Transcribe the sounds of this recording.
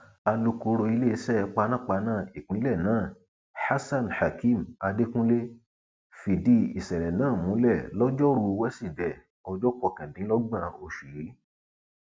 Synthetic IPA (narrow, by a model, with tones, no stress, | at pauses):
a˧lu˧ku˧ɾo˧i˧le˦i˧˦sɛ˦˧˦k͡pa˧˦nã˦˨k͡pa˧˦nãː˦˨i˨k͡pĩ˨˦lɛ˦˨nãː˦˨ | ha˦sa˦˨nha˨ki˦˨ma˧de˦kũ˦le˦ | fi˨di˦˧i˨sɛ˨ɾɛ˨nãː˨˦˨mũ˨˦lɛ˦˨lɔ˦d͡ʒɔ˦ɾu˧wɛ˦si˦˨dɛ˨ | ɔ˧d͡ʒɔ˦kɔ˦˧˨kɛ̃˨dĩ˨˦lɔ˦ɡ͡bã˦˨o˨ʃu˨ji˨˦